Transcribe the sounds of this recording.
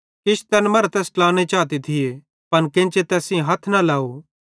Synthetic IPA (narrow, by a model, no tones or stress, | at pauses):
kɪʃʰt̪ɛːnmɐɾt̪ɛːsʈlaːñet͡ʃaːt̪̬et̪ʰɪje | pɐnkɪ̃nt͡ʃet̪ɛːsĩɦɐt̪ʰnalaːo